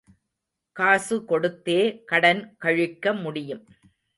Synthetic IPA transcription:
kaːsɯkɔɽɯt̪ːeːkɐɽɐnkɐɻɯkːɐmʊɽɪjɯm

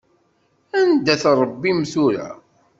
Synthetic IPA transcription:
ænd̪ːæθɾˤəbːimθuɾæ̰

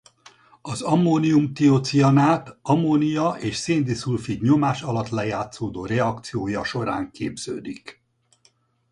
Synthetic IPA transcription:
ɒzɒmːoːniumt̪iot̪siɒnaːt̪ɒmonijɒʔeːʃseːnd̪isulfid̪ɲo̞maːʃɒlɒt̪lɛjaːt̪soːd̪oːɾɛɒkt̪sijoːjɒʃo̞ɾa̰ːŋkeːbz̥ø̰ːd̪ik

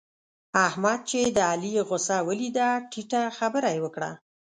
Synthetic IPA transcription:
ahmad̪̚t͡ʃed̪əalijeɣʊsawəlid̪aʈiʈaxabəɾajewəkɽa̰

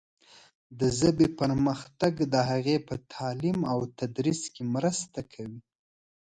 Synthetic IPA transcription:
d̪əzəbepəɾməxt̪aɡd̪əɦaɣepət̪ʰɑlimawt̪ad̪ɾiskemɾəst̪akʰawi

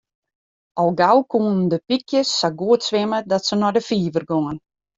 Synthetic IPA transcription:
ɔlˠɡawkʰuːnn̩dəpikʰjəsːaɡuətsʋɪmədɔtsənɔdəfiːʋərɡoŋən

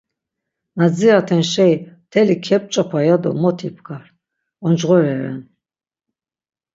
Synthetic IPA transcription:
nad͡ziat̪ʰɛnʃɛjt̪ʰɛlikʰɛp̚ʼt͡ʃʼapʰajad̪ɔ̰mɔt̪ʰipʰkʰaɾ | ɔnd͡ʒʁɔɾɛɾɛ̰n

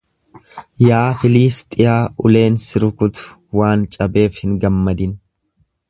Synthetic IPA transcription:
jaːfɪliːst̪ʼɪjaːʔʊle̞ːnsɪɾʊkʊt̪ʊ̥ | waːnt͡ʃʼɐbe̞ːfhɪŋɡɐmːɐd̪ɪn

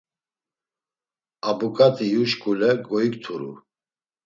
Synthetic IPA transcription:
abukʼat̪ʼijuʃkʼulɛɡɔikt̪ʰuɾṵ

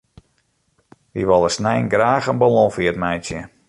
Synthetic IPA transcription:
ʋiʋɔlˠəsnɛjnɡraːxənbalɔ̃fiətmɛjtjə

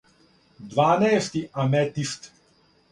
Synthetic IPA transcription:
d̪vanɛjst̪iʔamɛt̪ist̪

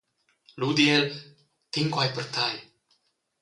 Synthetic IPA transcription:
lud̪iel | t̪ʰiŋkwajpərt̪ʰaj

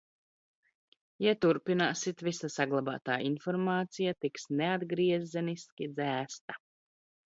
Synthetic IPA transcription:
jat̪uɾpinaːsit̪visasaɡlˠaba̰ːt̪aːinfɔɾmaːt̪sijat̪iksnead̪ɡɾiɛzzɛniskʲid̪zæːst̪a

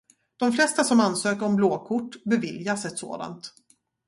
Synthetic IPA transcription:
d̪̥ɔmflɛst̪asɔmansøːkəɾɔmbloːkʰʊʈːbɛvɪljasɛt̪so̰ːd̪a̰nt̪

